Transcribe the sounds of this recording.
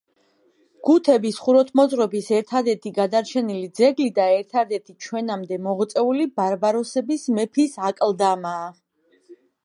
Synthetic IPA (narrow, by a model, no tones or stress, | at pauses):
ɡ̥ut̪ʰɛbisχuɾɔt̪ʰmɔzʼɾɔbisɛɾt̪ʰad̪ɛɾt̪ʰiɡad̪aɾt͡ʃʰɛnilid̪zɛɡlid̪aɛɾt̪ʰad̪ɛɾt̪ʰit͡ʃʰwɛnamd̪ɛmɔʁt̪sʼɛulibaɾbaɾɔsɛbismɛpʰisakʼld̪amaː